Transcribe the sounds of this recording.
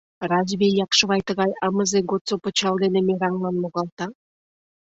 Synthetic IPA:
rɑzβʲejːɑqʃə̆βɑjt̪ə̆ɣɑjɑmə̆zeɡot̪t͡sopə̆t͡ɕɑlˠd̪enĕmeɾɑŋlɑnmoɣɑlˠt̪ɑ

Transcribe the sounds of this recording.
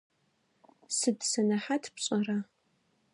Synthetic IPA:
sɨdsɐnɐħatʰpɕʼɐra

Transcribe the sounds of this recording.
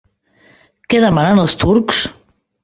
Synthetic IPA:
keðəmananelˠst̪uɾks

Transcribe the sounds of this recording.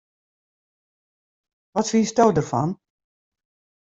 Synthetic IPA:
ʋɔtfiːstɔwdərfɔ̰n

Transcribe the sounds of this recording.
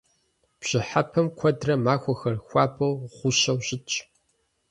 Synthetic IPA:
b̥ɕɪħapʰɐmkʷʰɐdrɐmaːxʷɐxɐrxʷaːbʰɐwʁʷʊɕɐwɕʼɪt͡ʃʼ

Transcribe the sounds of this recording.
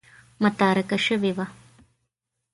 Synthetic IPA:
mɐt̪aːɾɐkɐʃɐʋeʋa

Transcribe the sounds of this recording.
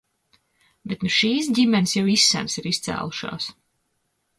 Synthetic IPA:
bet̪nuʃiːs̬ɟimʲɛnʲsjawisːæ̰nsiɾist̪sæ̰ːlˠuʃa̰ːs

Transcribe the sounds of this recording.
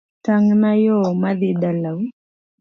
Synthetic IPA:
taŋnajɔmaðɪdalaw

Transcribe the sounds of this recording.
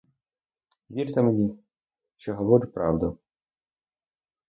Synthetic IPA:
ʋʲirt̪ɛmenʲi | ʃt͡ʃɔɦɔʋɔɾʲʊpɾɑ̰wd̪ʊ

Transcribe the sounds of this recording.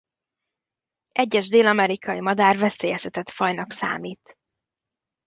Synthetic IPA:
ʔɛɟːɛʒd̪eːlɒmɛɾikɒjimɒd̪aːrvɛseːjɛsɛt̪ɛt̪fɒjnɒksa̰ːmiːt̪

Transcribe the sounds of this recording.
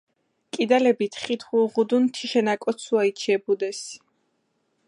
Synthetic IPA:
kʼid̪alɛbit̪ʰχit̪ʰχulʁud̪unt̪ʰiʃɛnakʼɔt̪sʰuait͡ʃʰiɛbud̪ɛs

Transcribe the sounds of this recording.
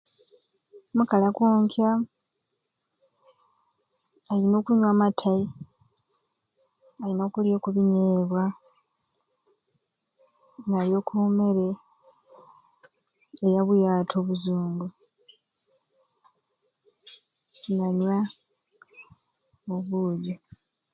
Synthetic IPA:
mukalakuːŋkja | alino̞ːkuɲwaːmatʰai | alino̞ːkuljo̞kuβiɲeːβwa | ŋaljo̞kʰume̞ɾe | ejaβujaːtʰo̞ːβuzuːŋɡu | naɲwa | oβuːɟo

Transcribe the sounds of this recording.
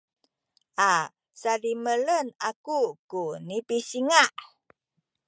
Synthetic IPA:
ʔa | salimələnakukunipisiŋaʔ

